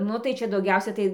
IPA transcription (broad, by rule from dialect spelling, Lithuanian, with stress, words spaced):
ˈnʊ tɐɪ ˈt͡ʃʲɛ dɐʊˈɡʲɛʊsʲɛ ˈtɐɪ